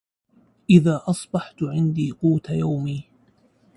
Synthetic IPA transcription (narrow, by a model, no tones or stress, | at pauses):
ʔɪðaːʔɑsˤbɑħt̪ʕɪnd̪iːquːt̪ajawmiː